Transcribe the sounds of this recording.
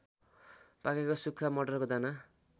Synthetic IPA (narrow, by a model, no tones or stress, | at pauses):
pakekosukʰːamʌɖʌrkod͡zana